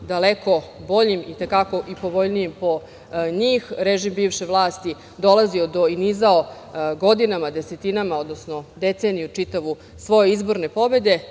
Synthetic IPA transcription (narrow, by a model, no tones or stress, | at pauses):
d̪aleko̞bo̞ʎimit̪ekako̞ʔipo̞ʋo̞ʎnijimpo̞ | ɲiːxɾeʒimbiːʋʃeʋlˠaːst̪i | d̪o̞lˠazio̞d̪o̞inizao | ɡod̪inamad̪e̞set̪inamao̞d̪nosno̞d̪et̪senijut͡ʂit̪aʋu | sʋo̞je̞izbo̞ɾne̞po̞be̞d̪e̞